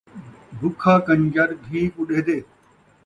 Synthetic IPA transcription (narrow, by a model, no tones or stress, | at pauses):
bʱʊkʰaːkɐɲd͡ʒɐɾɡʱiːkʊɗeːd̪eː